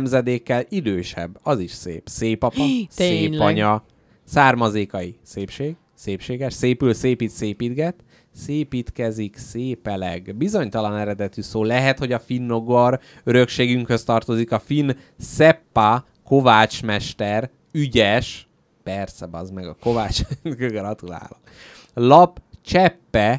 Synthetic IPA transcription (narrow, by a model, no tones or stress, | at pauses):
mzɛd̪eːkːɛlid̪øːʃɛ̰bːɒziʃsḛːpseːpɒpɒeːɒɲɒ | saːrmɒzeːkɒjiseːpʃeːɡ̥ | seːpʃeːɡɛʃseːpylseːpiːt̪seːpiːd̪ɡɛt̪ | seːpiːt̪kɛzikseːpɛlɛ̰ɡbizoɲt̪ɒlɒnɛɾɛd̪ɛt̪ysoːlɛɦɛt̪ho̞ɟɒfinːo̞ɡor | øɾø̞kʃeːɡyŋkhøst̪ɒrt̪o̞zikɒfin | sɛpːa | ko̞vaːt͡ʃmɛʃt̪ɛr | yɟɛʃ | pɛrsɛbɒzmɛɡɒko̞vaːt͡ʃɛnɡøɡrɒt̪ula̰ːlo | lɒpt͡ʃɛpːɛ